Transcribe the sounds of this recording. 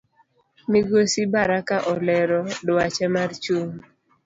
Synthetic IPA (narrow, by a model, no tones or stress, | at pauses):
miɡosibaɾakaʔɔlɛɾɔdwat͡ʃɛmart͡ʃuŋ